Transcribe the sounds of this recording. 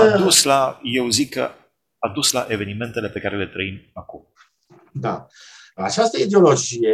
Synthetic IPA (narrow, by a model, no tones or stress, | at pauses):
ad̪uslaje̞wzikːə̰ | ad̪usla̰ʔe̞ve̞nime̞nt̪e̞le̞pe̞kaɾe̞le̞t̪ɾəimakum | d̪aat͡ʃast̪əid̪eolo̞d͡ʒije